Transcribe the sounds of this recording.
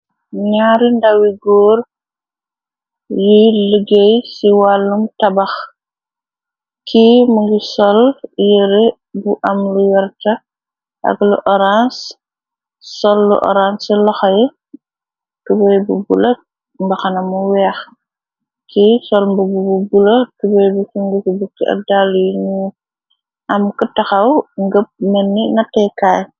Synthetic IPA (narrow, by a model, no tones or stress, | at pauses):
ɲaːɾindawiɡɔːr | jiləɡejsiwalːumtɐbɐx | kʰimuŋɡisɔljəɾe | buʔɐmluwɛɾtɐ | ʔɐ̰ɡluʔɔɾans | sɔlːṵʔɔ̰ɾansilɔxɐjɛ | kubɐjbubulɐ | mbɐxɐnɐmuwɛːx | kʰisɔlmbubububulɐkubɔjbukuŋɡukibukːiʔɐ̰daljɲu | ʔɐmkətɐxɐwŋɡəp̚mɐnːinɐtːɛkaːj